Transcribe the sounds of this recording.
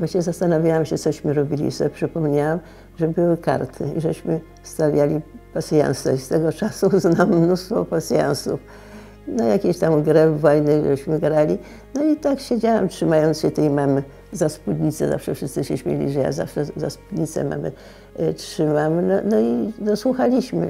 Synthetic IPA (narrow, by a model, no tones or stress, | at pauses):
vwaɕɲɛzast̪anavʲjawamɕɛt̪sɔɕmɘɾɔbʲilʲḭsɔpʂɘpɔmɲawam | ʐɛbɘwɘka̰ɾt̪ʰɘiʐɛɕmɘ | st̪avʲjalʲipasʲja̰nst̪ɛist̪ɛɡɔt͡ʂasuznamːnust̪fɔpasʲja̰nsuf | najakʲeɕt̪amɡɾɛvːɔjnɘʐɛɕmɘɡɾalʲi | nɔit̪akɕed͡ʑawamtʂɘmajɔnt̪sɕɛt̪ɛjmamɘ | zaspud̪ʲɲit̪sɛ̰za̰fʂɛfʂɘst̪ɘɕɛɕmʲjḛlʲḭʐɛja̰za̰fʂɛza̰spud̪ɲit̪sɛ̰ma̰mɘ̰ | tʂɘmamnɔnɔid̪ɔswuxalʲiɕmɘ̰